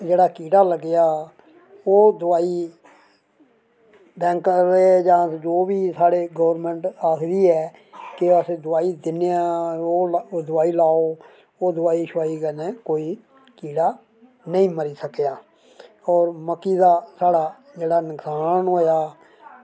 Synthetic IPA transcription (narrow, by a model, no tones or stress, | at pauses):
d͡ʒeːɽaːkiːɖaːləɡɪjaː | oːd̪ʊaːiː | bɛ̃ːŋkəɾeːd͡ʒãːd͡ʒoːbiːsaːɽeːɡəːəɾmɛ̃ːɳʈaːkʰd̪iːɛː | kɪəsed̪ʊaːiːd̪ɪnejãːoːd̪ʊaːiːlaːoː | oːd̪ʊaːiːʃʊaːiːkəneːkoːiː | kiːɖaː | nəĩːməɾiːsəkjaː | ɔːɾməkːiːd̪aːsaːɽaː | d͡ʒeːɽaːnəksaːnɦoːjaː